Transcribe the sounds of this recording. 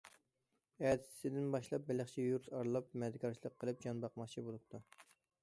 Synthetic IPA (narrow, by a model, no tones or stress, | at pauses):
æd̪ɪ̥sɪd̪ɪnbɑʃlˠɑp̚bɪlɪχt͡ʃʰɛjuɾsɑɾlˠɑp̚mɛd̪ɪkʲʰɑɾt͡ʃʰilˠəqʰːəlˠɨp̚d͡ʒɑnbɑqmɑχt͡ʃʰibolˠup̚t̪ʰu